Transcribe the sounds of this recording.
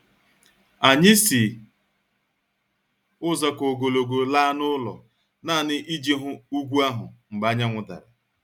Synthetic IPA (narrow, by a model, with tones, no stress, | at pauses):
a˨ɲɪ˦si˨ | ʊ˦zɔ˨ko˨ɡo˨lo˨ɡo˨la˦nʊ˦lɔ˨ | naː˦˨nɪ˦ʔi˦d͡ʒe˦ɦʊ˦u˦ɡʷu˦a˦ɦʊ˨ŋ͡m̩˨ɡ͡ba˨˦ɲa˦ŋʷʊ˨da̰˨ɾa̰˨